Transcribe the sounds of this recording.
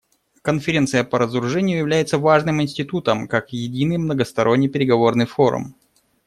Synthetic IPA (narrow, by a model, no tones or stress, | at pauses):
kənfʲɪɾʲe̞nt̪sɨjəpəɾəzɾʊʐɛnʲɪjʊjɪvlʲæjɪt̪səvaʐnɨmɪnʲsʲtʲɪt̪ut̪əmkakjɪdʲinɨjmnəɡəst̪ɐɾʔo̞nʲːɪjpʲɪɾʲɪɡɐvo̞rnɨjfo̞ɾʊ̰m